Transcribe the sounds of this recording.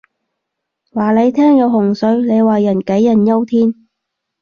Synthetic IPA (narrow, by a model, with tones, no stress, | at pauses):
waː˨˩le˨˧jt̪ʰɛː˥ŋjɐ˨˧wɦʊ˨˩ŋsɵ˨˧ɥle˨˧jwaː˨jɐ˨˩nke˨˥jːɐ˨˩njɐ˥wt̪ʰiː˥n